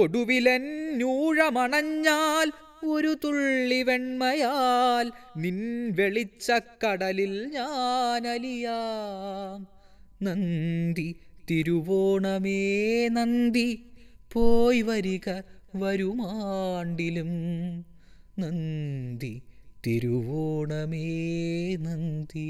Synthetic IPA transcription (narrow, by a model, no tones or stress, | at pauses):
oɽuʋilennuːɻɐmɐɳɐɲːaːl | o̞ɾut̪uɭːiʋeɳmɐjalninʋeɭit͡ɕːɐkɐɽɐlilɲaːnɐlijaːm | nɐnd̪it̪iɾuʋoːɳɐmeːnɐnd̪ipoːjʋɐɾiɣɐʋɐɾumaɳɖilum | nɐnd̪it̪iɾuʋoːɳɐmeːnɐnd̪i